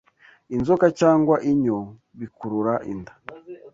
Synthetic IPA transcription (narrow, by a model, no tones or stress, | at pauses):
inzokat͡ʃaːŋɡwaʔiɲo | βikuɾuɾaʔḭndḁ